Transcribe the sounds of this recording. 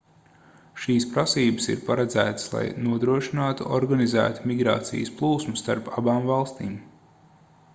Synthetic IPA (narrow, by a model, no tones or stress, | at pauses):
ʃiːspɾasiːbəsḭɾpaɾad̪zæːt̪slˠa̰jnuɔd̪ɾuɔʃinaːt̪uɔɾɡanizæ̰ːt̪u̥miɡɾa̰ːt̪sḭjsplˠuːsmust̪aɾpabaːmvɑlˠst̪iːm